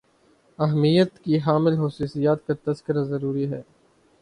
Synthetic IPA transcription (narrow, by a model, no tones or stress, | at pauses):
ɐɦmijət̪kiɦaːmɪlɦɐsuːsijaːt̪̚kat̪ɐskɪɾazɐɾuːɾiɦɛː